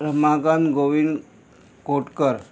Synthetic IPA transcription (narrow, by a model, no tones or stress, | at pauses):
ɾəmakanɡoʋin | koʈkəɾ